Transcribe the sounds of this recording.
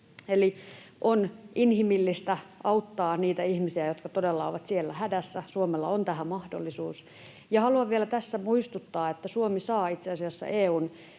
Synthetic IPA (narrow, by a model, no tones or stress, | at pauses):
eliʔonʔinhimilːist̪æɑut̪ːɑːniːt̪æihmisiæjot̪kɑt̪odelːɑo̰ʋɑt̪sielːæhædæsːæsuomelːɑ̰ont̪æhæmɑhdo̰lːisuːs | jɑhɑluɑʋʋielæt̪æsːæmuist̪ut̪ːɑːet̪ːæsuomisɑːit̪seɑsiɑsːɑ̰ʔeːuːn